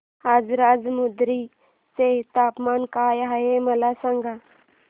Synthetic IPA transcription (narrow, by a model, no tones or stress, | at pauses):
ɦazɾaːd͡ʒmʊd̪ɾi | set̪aːpmaːnkaːjɦɐjemɐlasəŋɡa